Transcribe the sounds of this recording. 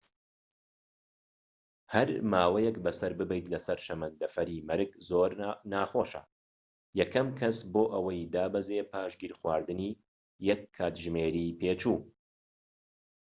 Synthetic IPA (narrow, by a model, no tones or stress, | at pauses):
hɐɾmaːwɛjɛkbɐsɐɾbɨbɛjt̪lɐsɐɾʃɐmɐnd̪ɐfɐɾiːmɐɾɨkzoːɾnaːχoːʃɐ̰ | jɛkʰɐmkʰɐsboːʔɐwɐjd̪aːbɐzeːpʰaːʃɡiːɾxwaːɾd̪ɨniː | jɛkʰːaːt̪ʒmeːɾiːpʰeːt͡ʃuː